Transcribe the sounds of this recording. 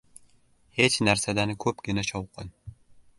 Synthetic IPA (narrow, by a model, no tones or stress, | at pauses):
he̞t͡ʃnaɾsad̪anɪkʰɵpɡʲɪnaʃʰɒwqɨn